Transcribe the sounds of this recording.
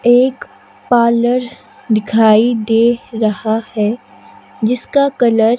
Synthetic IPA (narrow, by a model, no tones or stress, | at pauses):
eːk | paːləɾ | d̪ɪkʰaːid̪eːɾɐhahɛ | d͡ʒɪskakɐləɾ